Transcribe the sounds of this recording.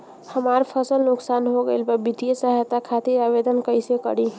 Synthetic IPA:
həmaɾpʰəsəlnoksanɦoɡeɪlbəbit̪ijesəɦjt̪akʰat̪iɾabed̪ənkəjsekə̰ɽi

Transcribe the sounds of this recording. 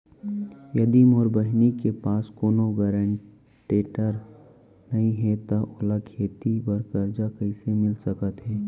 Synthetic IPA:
jɐd̪iːmɔːɾbəɦnikepaːskoːnoɡəɾəɳ | ʈeːʈəɾ | nɐɦĩɦɛt̪aʔʊlakʰeːt̪ibəɾkəɾd͡ʒakəɪsemɪlsəkət̪ɦɛː

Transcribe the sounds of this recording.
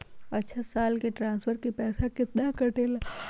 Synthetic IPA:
ɐtːʃʰasaːlkeʈɾãːnspʰəɾkepɛːsakɪt̪nakɐʈeːla

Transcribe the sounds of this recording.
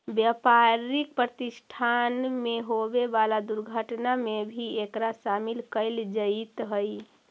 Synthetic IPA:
bjapaɾik̚pɾət̪isʈʰanmeɦobebalad̪uɾɡʱəʈnamebʱiekɾaʃamilkəɪld͡ʒət̪ɦəj

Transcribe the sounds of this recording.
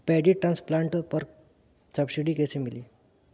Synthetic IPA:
pɛɖiʈɾãnsplaɳʈpəɾ | səbsiɖikesemili

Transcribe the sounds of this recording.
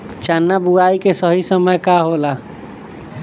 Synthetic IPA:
t͡ʃanːabuaːikesəɦisəməjkaɦoːla

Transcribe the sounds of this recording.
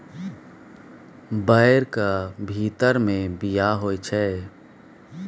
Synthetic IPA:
bəɪɾkabʱiːt̪əɾmẽbijaɦoːit͡ʃʰɛː

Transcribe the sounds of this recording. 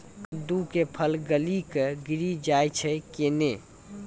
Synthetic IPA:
d̪ukepʰəlɡəlikɡiɾid͡ʒajt͡ʃʰɛkene

